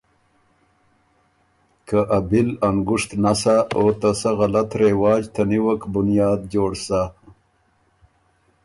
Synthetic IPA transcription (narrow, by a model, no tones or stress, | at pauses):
kaʔabɪlaŋɡʊʂt̪nasaot̪asaɣalat̪ɾewɑːd͡ʒt̪ʰaniwəkbʊnjɑːd̪̚d͡ʒoːɽsa